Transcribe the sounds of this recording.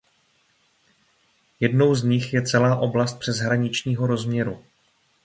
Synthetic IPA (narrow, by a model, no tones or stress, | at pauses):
jɛdno̞wzɲɪxjɛt͡sɛlaːʔo̞blast̪̚pr̥ɛzɦɾaɲɪt͡ʃɲiːɦo̞ɾo̞zmɲɛɾu